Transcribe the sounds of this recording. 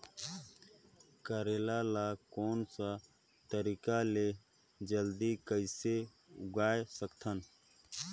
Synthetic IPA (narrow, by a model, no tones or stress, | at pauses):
kəɾeːlalakoːnsa | t̪əɾikale | d͡ʒəld̪ikəɪse | ʊɡaːjsəkt̪ʰən